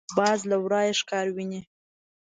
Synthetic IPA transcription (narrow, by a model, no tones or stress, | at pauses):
bɑzlawɾɑjeʂkɑɾwini